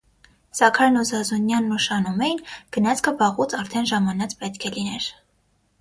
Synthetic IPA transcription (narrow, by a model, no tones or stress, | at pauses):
sɑkʰɑɾnɔzɑzunjɑnːəʃɑnumɛjinɡ̥ənɑt͡sʰkʰəbɑʁut͡sʰɑɾt̪ʰɛnʒɑmɑnɑt͡spɛt̪kʰɛlinɛɾ